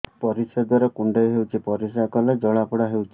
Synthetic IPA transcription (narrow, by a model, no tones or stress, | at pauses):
pɔɾised̪waɾɔkuɳɖeɦewt͡ʃʰipɔɾisakɔled͡ʒɔɭapuɽaɦewt͡ʃʰi̥